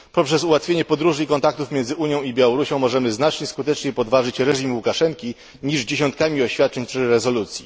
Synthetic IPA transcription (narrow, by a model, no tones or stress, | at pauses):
pɔpʂɛsuwat̪fʲjeɲɛpɔd̪ɾuʐɘikɔnt̪ak̚t̪ufmʲjɛnzɘuɲjɔ̃w̃ibʲjawɔɾuɕɔ̃w̃mɔʐɛmɘznat͡ʂɲɛskut̪ɛt͡ʂɲɛpɔd̪vaʐɘt͡ɕɾɛʐimwukaʂɛŋkʲi | ɲiʐd͡ʑeɕɔnt̪̚kamʲiɔɕfʲjat̪̚t͡ʂɛɲpʂɘɾɛzɔlut̪sʲjḭ